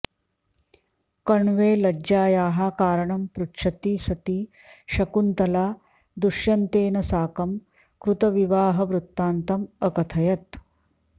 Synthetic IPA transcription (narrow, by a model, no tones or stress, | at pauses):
kɐɳʋeːlɐd͡ʒaːjaːɦakaːɾɐɳɐmpɾutʂɐt̪isɐt̪iː | ʃɐkunt̪ɐlaː | d̪uʃjɐnt̪eːnɐsaːkɐm | kɾut̪ɐʋiʋaːɦɐʋɾut̪ːaːnt̪ɐmɐkɐt̪ʰɐjɐt̪